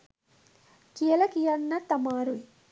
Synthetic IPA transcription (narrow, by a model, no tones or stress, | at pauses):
kijɐlɐkijɐnːɐt̪ɐmaːɾui